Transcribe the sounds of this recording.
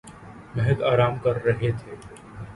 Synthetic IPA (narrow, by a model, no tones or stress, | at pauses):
mɛɦɛd̪aːɾaːmkɐɾːɐɦet̪ʰeː